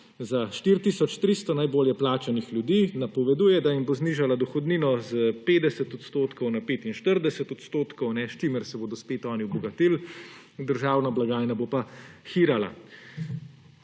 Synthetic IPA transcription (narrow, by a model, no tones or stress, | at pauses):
zaʃt̪iːɾt̪isɔt͡ʃt̪ɾiːst̪ɔnajboːljɛplaːt͡ʃanixlʲjud̪iːnapɔʋɛd̪uːjɛd̪aimbozniːʒalad̪ɔxɔd̪niːnɔzəpeːd̪ɛsɛt̪ɔt̪st̪oːt̪kɔwnapeːt̪inʃt̪əɾd̪ɛsɛt̪ɔt̪st̪oːt̪kɔwnɛʃt͡ʃiməɾsɛboːd̪ɔspeːt̪ɔːniwbɔɡat̪iːl | d̪əɾʒaːwnablaɡaːjnabopaxiːɾala̰